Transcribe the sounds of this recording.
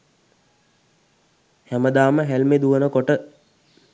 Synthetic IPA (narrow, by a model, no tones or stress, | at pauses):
hæməd̪aːməɦelmed̪uʋənəkoʈə